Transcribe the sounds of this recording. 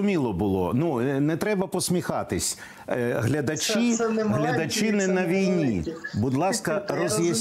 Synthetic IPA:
ʊmʲilˠɔbʊlˠɔ̰nunɛt̪ɾɛbɐpɔsʲmʲixɑt̪ɪsʲ | ɦlʲɐd̪ɐt͡ʃʲiɦlʲɐd̪ɐt͡ʃɪnɪnɐʋʲijnʲibʊd̪lˠɑskɐrɔzjɐsʲ

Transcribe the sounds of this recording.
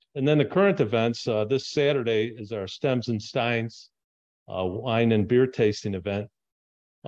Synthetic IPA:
ɨ̃nðɨ̃nðɨkʰɜ˞ɨ̃ntɨvɛ̃ntsðɪsæɾə˞ɾeɪɪzaʊə˞stɛ̃mzɨ̃nstãɪ̃nz̥ | wãɪ̃nɨ̃nbɪɹtʰeɪstɪ̃ŋɨvɛ̃nt̚

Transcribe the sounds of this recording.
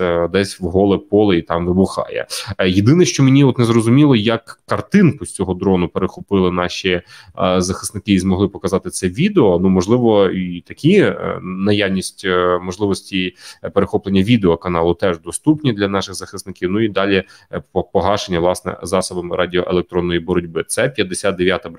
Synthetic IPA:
ɛd̪ɛsʲwɦɔlˠɛpɔlˠɪit̪ɑmʋɪbʊxɑ̰jɛ̰jed̪ɪnɛʃt͡ʃɔmenʲiɔt̪nɛzɾɔzʊmʲilˠɔjɐkːɐrt̪ɪnkʊsʲt͡sʲɔɦɔd̪ɾɔnʊpeɾexʊpɪlˠɪnɑʃʲi | zɐxɪ̥snɪkɪizmɔɦlˠɪpɔkɐzɑt̪ɪt̪sɛʋʲid̪eɔnumɔʒlˠɪʋɔit̪ɐkʲʰinɐjawnʲisʲtʲmɔʒlˠɪʋɔsʲtʲipeɾexɔplˠenʲːɐʋʲid̪eɔkɐnɑlˠʊt̪ɛʒd̪ɔst̪upnʲid̪lʲɐnɑʃɪɣzɐxɪsnɪkʲiwnʊid̪ɑlʲi | pɔɦɑʃenʲːɐʋlˠɑsnɛ̰zɑsɔbɐmɪɾʔɑdʲiɔʔelˠek̚t̪ɾɔnːɔjibɔɾɔdʲbɪt̪sɛpʲjɐd̪ːesʲad̪̚d̪eʋʲjat̪ɐ

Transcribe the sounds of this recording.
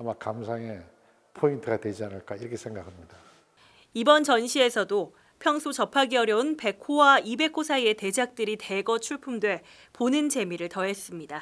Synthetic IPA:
amakamsʰaŋe | pʰointʰɯɡatwe̞d͡ʑianɯɭk͈aiɾʌkʰesʰeŋɡakʰamɲida | ibʌnt͡ɕʌnɕʰie̞sʰʌdo | pʰjʌŋsʰot͡ɕʌpʰaɡiʌɾjʌunpe̞kʰowaibe̞kʰosʰaie̞te̞d͡ʑak̚t͈ɯɾite̞ɡʌt͡ɕʰuɭpʰumdwe̞ | ponɯnd͡ʑe̞miɾɯɭtʌɦe̞s͈ɯmɲida

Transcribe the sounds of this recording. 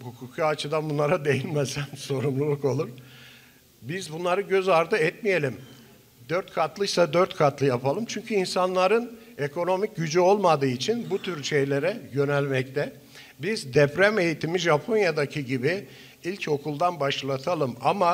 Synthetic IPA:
hukʰukaːt͡ʃʰɯd̪anbunˠaɾad̪e̞jinmɛsænso̞ɾumlˠulˠuko̞lˠuɾ | bizbunlˠaɾɯɟø̞zaɾd̪ɯɛt̪mije̞lʲim | d̪øɾt̪kʰat̪lˠɯsad̪øɾt̪kʰat̪lˠɯjapʰalˠɯmt͡ʃʰyɲcʰyinsanlˠaɾɯn | e̞kʰo̞no̞mic̚ɟyd͡ʒyo̞lˠmad̪ɯːit͡ʃʰinbut̪ʰyɾʃe̞jlʲe̞ɾɛjø̞nɛlʲmɛc̚t̪ʰɛ | bizd̪ɛpɾæme̞jit̪ʰimiʒapʰo̞njad̪acʰiɟibi | ilʲco̞kʰulˠd̪anbaʃlˠat̪ʰalˠɯmama

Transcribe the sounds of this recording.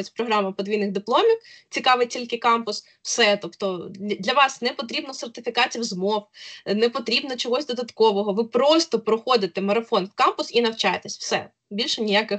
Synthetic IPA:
ɪt͡sʲpɾɔɦɾɑmɐpɔd̪ʋʲijnɪɣd̪ɪplˠɔmʲiwt͡sʲikɑʋɪjtʲilʲkɪkɑmpʊs | w̥sɛt̪ɔpt̪ɔd̪lʲɐʋɑsnɛpɔt̪̬ɾʲibnɔsert̪ɪfʲikɑt͡sʲiwzmɔwnɛpɔt̪ɾʲibnɔt͡ʃɔɦɔsʲd̪ɔd̪ɐt̪kɔʋɔɦɔʋɪpɾɔst̪ɔpɾɔxɔd̪ɪt̪emɐɾɐfɔnwkɑmpʊsinɐwt͡ʃɑjet̪esʲw̥sɛ̰ | bʲilʲʃɛnʲɪjakɪx

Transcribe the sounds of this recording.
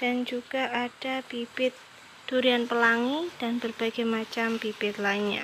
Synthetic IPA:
d̥and͡ʒuɡ̥aʔad̥apibɪt̪̚ | d̥uɾianpəlaŋid̥anbərbaɡajmat͡ʃampibɪt̪̚laiɲa̰

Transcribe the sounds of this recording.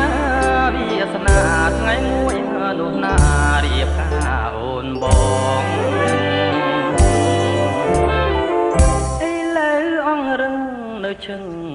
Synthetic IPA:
aʋiəsnaːt̪ʰŋajmuəj | nʊ̆əhnaːɾiəp̚kaː | ʔoːnɓɔːŋ | ʔəjləwʔɑŋrɨŋ | nɨwt͡ɕʰɨŋ

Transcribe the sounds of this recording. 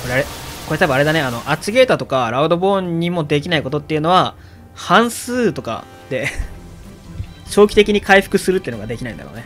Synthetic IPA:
koɾe̞aɾeko̞ɾe̞t̪abɯ̟̃aɾe̞d̪ane̞ano̞ʔat͡ɕiɡe̞ːt̪at̪o̞kaɾaɯ̟d̪o̞bõ̞ːɲ̟ːimo̞d̪e̞kʲinaiko̞t̪o̞t̪ːeiɯ̟no̞βa | hãɰ̃sɨːt̪o̞ka̰ | d̪̥e̞ | ɕo̞ːkʲi̥t̪e̞kʲiɲ̟ikʰaiɸɯ̥kɯ̟sɨɾɯ̟t̪ːeɯno̞ɡad̪e̞kʲinaĩnd̪a̰ɾo̰ːne̞

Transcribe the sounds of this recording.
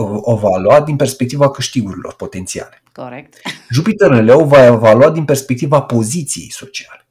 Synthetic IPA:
ovaluad̪inpe̞rspe̞k̚t̪ivakɨʃt̪iɡuɾilo̞̰rpo̞t̪e̞nt̪sia̰le̞̥ | ʒupit̪ərnəleovaevaluatd̪inpe̞rspek̚t̪ivapo̞zit̪sijejso̞t͡ʃiale̞

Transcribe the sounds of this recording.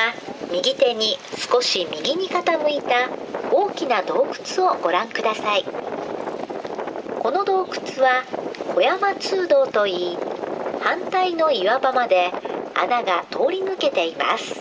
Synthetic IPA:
amʲiɡʲit̪e̞ɲ̟isɨ̥ko̞ɕimʲiɡʲiɲ̟ikat̪amɯ̟it̪aoːkʲinad̪o̞ːkɯ̟̥t͡sɨo̞ɡ̥o̞ɾãŋkɯ̟d̪asai | ko̞no̞d̪o̞ːkɯ̟̥t͡sɨβao̞jamat͡sɨːd̪o̞ːt̪o̞iːhãnt̪aino̞iβabamad̪e̞a̰naɡat̪ʰo̞ːɾʲinɯ̟ke̞t̪e̞ima̰sɨ̥

